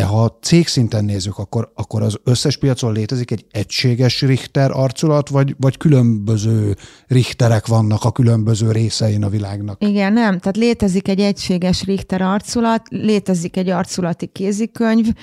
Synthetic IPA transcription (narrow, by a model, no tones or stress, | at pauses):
d̪ɛɦɒt̪seːksint̪ɛnːeːzːykɒkːoɾɒkːo̞ɾɒzø̞sːɛʃpijɒt̪soleːt̪ɛzikɛɟɛcʃeːɡɛʃrixt̪ɛɾʔɒrt̪solɒt̪ʋɒɟvɒckylø̞mbø̞zøː | rixt̪ɛɾɛkʋɒnːɒkɒkylø̞mbøzøːɾeːsɛinɒvilaːɡnɒkiɡɛnːɛmt̪aːt̪leːt̪ɛzikɛɟːɛcʃeːɡɛʃriht̪ɛɾɒrt̪solɒt̪leːt̪ɛzikɛɟːɒrt̪sulɒt̪ikeːzikøɲv